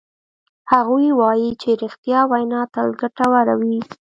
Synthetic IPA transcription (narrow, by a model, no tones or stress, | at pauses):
haɣujwɑjit͡ʃeɾixt̪jɑwajnɑt̪alɡaʈawaɾawi